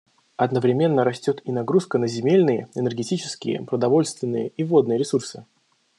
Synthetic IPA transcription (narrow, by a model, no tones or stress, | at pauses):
ɐd̪nəvɾʲɪmʲe̞nːəɾɐsʲtʲo̞t̪inɐɡɾuskənəzʲɪmʲelʲnɨjəɛnərɡʲɪtʲit͡ɕɪ̥skʲɪjə̰pɾəd̪ɐvo̞lʲst̪vʲɪnːɨjə̰ivo̞d̪nɨjɾʲɪsursɨ